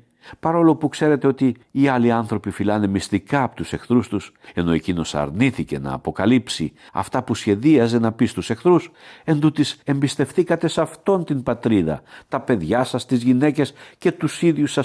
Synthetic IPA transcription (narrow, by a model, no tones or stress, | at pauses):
pɐɾo̞lo̞pukse̞ɾe̞t̪e̞o̞t̪iː | ɐliɐnθɾo̞pifilɐne̞mist̪ikɐːpot̪use̞xθɾust̪us | e̞no̞e̞cino̞sɐ̰ɾniθice̞nɐ̰ːpo̞kɐlipsi | ɐ̰ft̪ɐpusçe̞ðiɐze̞nɐpist̪usekθɾuse̞nd̪ut̪ise̞mbist̪e̞fθikɐt̪e̞sɐft̪o̞nt̪inbɐt̪ɾiðɐ̰t̪ɐpe̞ðʝɐsɐst̪izʝine̞ce̞sce̞t̪usiðʝjusɐ